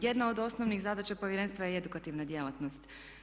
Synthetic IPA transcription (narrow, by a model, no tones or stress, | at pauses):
jed̪nao̞d̪o̞snoʋnixzad̪at͡ɕapo̞ʋjeɾe̞nst̪ʋajee̞d̪ukat̪iʋnad̪je̞lat̪nost̪